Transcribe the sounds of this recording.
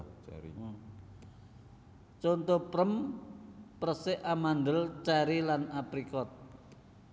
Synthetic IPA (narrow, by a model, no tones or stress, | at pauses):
t͡ʃont̪opɾəm | pɾəsɪʔamand̪əlt͡ʃaɾilanapɾikɔt̪̚